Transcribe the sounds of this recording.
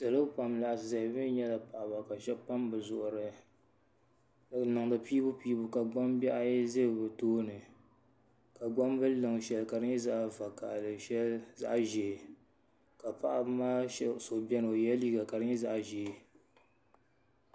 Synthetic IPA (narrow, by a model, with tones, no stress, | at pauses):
sɨ˨lɨ˦pa˨mla˨ʔsɨ˨za˨hɪ˨bɨ˦ɲɛ˦la˨pa˨ʔa˨ba˨ka˨ʃɛ˦pa˦mbɨ˨zʊ˨ʔʊ˨ɾɨ˨ | nɨ˨ŋdɨ˨piː˦bʊ˦piː˦bʊ˦ka˨ɡ͡ba˦mbɛ˦ʔa˦jɛ˦ze˦bbɨ˨toː˦nɨ˨ | ka˨ɡ͡ba˦mbɨ˦lɨ˨ŋ˨ʃɛ˨lka˨dɨ˦ɲɛ˦za˦ʔva˨ka̰˨ʔlɨ˨ʃɛ˦lza̰˦ʔʒe˨ | ka˨pa˨ʔa˨bmaː˦ʃɛ˦so˨bɛ˦no˨jɛ˦li˦ɡa˨ka˨ɾɨ˦ɲɛ˦za˦ʔʒe˨